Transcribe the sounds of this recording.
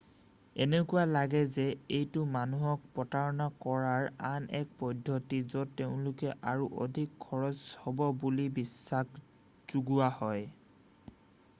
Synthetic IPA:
enekʊwalaɡɛzɛejtʊmanuɦɔk̚pɔtaɹɔnakɔɹaɹanɛk̚pɔdʱːɔtizɔtːeʊ̃lʊkɛʔaɹuʔo̰dʱikʰːɔɹɔzhɔbɔbulibisːak | z̥uɡuahɔj

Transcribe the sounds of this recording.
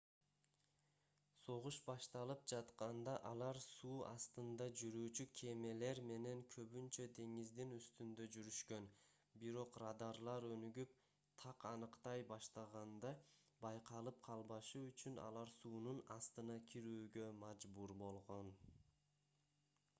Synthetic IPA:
so̞ʁuʃbɑʃt̪ɑlˠɯpd͡ʒɑt̪qɑnd̪ɑʔɑlˠɑɾsuːɑ̰st̪ɯnd̪ɑd͡ʒyɾyːt͡ʃykʲʰe̞me̞le̞ɾme̞ne̞ŋkʰø̞βynt͡ʃø̞d̪e̞ŋizd̪inyst̪ynd̪ø̞d͡ʒyɾyʃkø̞n | biɾo̞qrad̪ɑɾlˠɑɾønyɡyp̚ | t̪ʰɑqɑnɯqt̪ɑjbɑʃt̪ɑʁɑnd̪ɑ | bɑjqɑlˠɯp̚qʰɑlˠbɑʃɯyt͡ʃynɑ̰lˠɑɾsuːnunɑst̪ɯnɑkʲʰiɾyːɡø̞mɑd͡ʒbuɾbo̞lˠʁo̞n

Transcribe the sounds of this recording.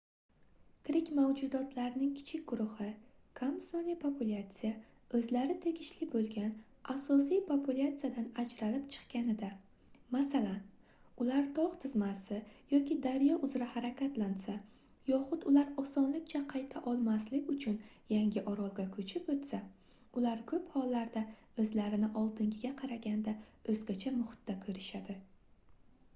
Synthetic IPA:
t̪ʰɪɾɪkʲmawd͡ʒʊd̪ɒt̪ʰlaɾnɪŋkʲʰɪ̥t͡ʃʰɪkʲɡ̥ʊɾʊhɪ | kʰamsonipʰopʰulʲˠat̪sɨja | ɵzlaɾɪt̪ʰe̞ɡʲɪʃlɪbolˠɡʲan | asɒs̬ijpʰopʰulʲˠat̪sɨjad̪anad͡ʒɾalɪpt͡ʃʰɨ̥qkʲanɪd̪a | masalan | ʊlaɾt̪ʰɒʁt̪ʰɪzmasɪjɒkʲɪd̪aɾjɒʔʊzɾahaɾakʲʰat̪lansa | jɒχʊd̪ʊlaɾɒsɒnlɪkʲt͡ʃʰaqʰɑjt̪ʰaʔɒlˠmaslɪkʲʊt͡ʃʰʊn | jaŋɡʲɪʔɒɾɒlˠɡʲakʰɵt͡ʃʰɪpot̪sa | ʊlaɾkʰɵphɒlːaɾd̪a | ɵzlaɾɪnɪʔɒlˠd̪ɪŋɡʲɪɡʲaqʰɑɾaɡʲand̪aɵzɡʲat͡ʃʰamʊχɪ̥t̪ːakʰɵɾɪʃad̪ɪ

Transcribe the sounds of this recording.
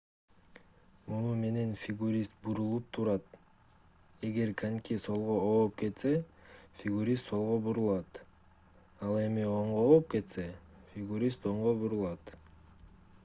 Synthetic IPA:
munume̞ne̞nfʲɪɡuɾʲist̪̚buɾulˠup̚t̪ʰuɾɑt̪ | e̞ɡe̞ɾkʰanʲkʲiso̞lˠʁooːp̚ke̞t̪se̞fʲɪɡuɾʲist̪so̞lˠʁobuɾulˠɑt̪ | ɑlˠe̞mio̞ɴʁoop̚ke̞t̪se̞fʲɪɡuɾʲist̪o̞ɴʁobuɾulˠɑt̪

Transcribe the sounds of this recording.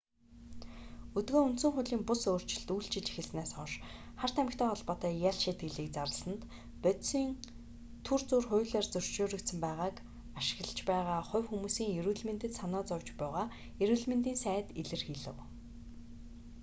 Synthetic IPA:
ɵt̪ɡoːunt̪sɘ̆ŋχʊɮiːmpʊsoːr̥t͡ɕɪ̆ɮt̪ujɮt͡ɕɪ̆t͡ɕi̥xɘ̆ɮsnæːsɔʃ | χar̥t̪ʰæmɪ̆kt̪ʰœːɔɮpɔːt̪æːjaɮʃiːt̪̚ɡɘ̆ɮiːk̚t͡saɾə̆ɮsə̆nt̪ | pœt̪siːn | t̪ʰurt͡surχʊ̟jɮeːrt͡sɵr̥t͡ɕoːɾɵ̆kt̪sə̆mpæːʁaːk | aʃɪ̥̆ɣɮə̆t͡ɕpæːʁaːχʊ̟wxumuːsiːŋjɵɾuːɮmĕnt̪ɘ̆t̪sanɔːt͡sɔwt͡ɕpæːʁaː | jɵɾuːɮmĕnt̪iːnsæːt̪iɮɘ̆rxiːɮɘ̆w

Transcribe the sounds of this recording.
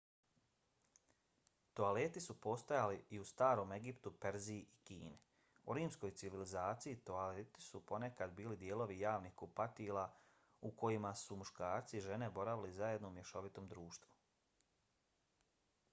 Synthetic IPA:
t̪oale̞t̪isupo̞st̪ajaliiust̪aːɾo̞ːme̞ɡipt̪upeɾziikḭːne | uɾiːmsko̞jt̪siʋilizaːt̪sijit̪oalet̪i̥supo̞ne̞kad̪biːlid̪je̞ːlo̞ʋijaːʋnixkupat̪ilˠa | uko̞jimasumuʃkaːɾt̪siːʒe̞ne̞bo̞ɾaʋilizaje̞d̪noumjeʃo̞ʋit̪o̞ːmd̪ɾuːʃt̪ʋu

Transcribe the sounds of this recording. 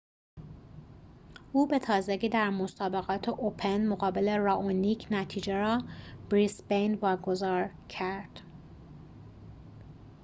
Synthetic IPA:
ʔuːbe̞t̪ʰɒːzeɟiːd̪æɾmo̞sɒːbe̞ɣɒːt̪ʰeʔopʰenmoɣɒːbeleɾɒːʔoniːcʰnæt̪ʰiːd͡ʒeɾɒːb̥ɾisbejnvɒːɡo̞zɒːɾ | cʰæɾd̪̥

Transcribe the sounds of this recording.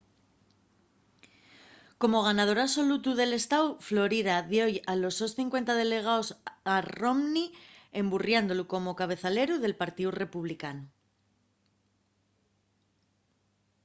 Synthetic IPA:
ko̞mo̞ɣ̞anað̞o̞ɾaso̞lut̪uðe̞le̞st̪awflo̞ɾiðaðjojalo̞so̞sθiŋkwe̞nt̪að̞e̞le̞ɣ̞aosaro̞mnie̞mburjand̪oluko̞mo̞kaβ̞e̞θale̞ɾuðe̞lpaɾt̪iure̞puβlikanu

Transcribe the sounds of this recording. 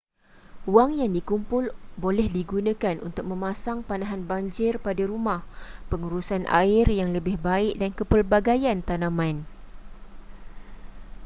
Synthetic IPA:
uwaŋjaŋdikumpʊlbolɛhdiɡunãkanʔṵnt̪ʊk̚mə̃mãsaŋpanãɦanbaɲd͡ʒɪrpadaɾumãhpəŋuɾusanʔa̰ɪrjaŋləbɪhbaɪʔ̚dankəpərbaɡajant̪anãmãn

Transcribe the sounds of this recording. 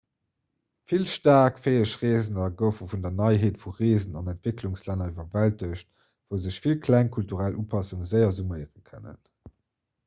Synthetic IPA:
filʃtaːɐkfeːəʃʁeːzənɐɡəʊfəfundɐnɑɪɦeːtfuʁeːzənɑnæntv̥ekluŋslænɐivɐvæltəɕt̚ | v̥əʊzəɕfilkʰlæŋkʰultuʁælʔuːpʰɑsuŋəzəɪɐzumɜɪəʁənkʰə̰nə̰n

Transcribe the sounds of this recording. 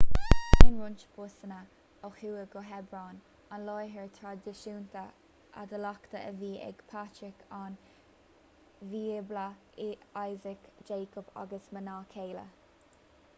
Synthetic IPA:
ɪnɹʊnt͡ʃpʰʊsənə | ɔxuːəɡɔɦɛbɹaːn | anlɔjɦəɹt̪ʰɾad̪ɪʃuːnt̪ə | ʔa̰d̪əlakt̪əʔəviːʔɛ̰ɡ̥pʰatɾɪkʰan | viːbla | ajzɪkd͡ʒeːkɔba̰ɡəsmənaːkʰeːlə̰

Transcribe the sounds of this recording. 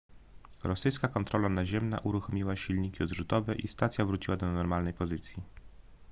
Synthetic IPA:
ɾɔsɘjskakɔnt̪ɾɔlanaʑɛmna̰ʔuɾuxɔmʲiwaɕilɲikʲiɔd̪ʐut̪ɔvɛʔist̪at̪sʲjavɾut͡ɕiwad̪ɔnɔɾmalnɛjpɔzɘt̪sʲji

